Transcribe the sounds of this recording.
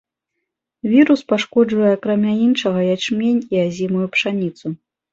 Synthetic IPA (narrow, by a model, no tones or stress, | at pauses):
vʲiɾuspaʂkɔd͡ʐvɐjɛakɾamʲainʂɐɣɐjat͡ʂmʲenʲiazʲimujupʂanʲit̪su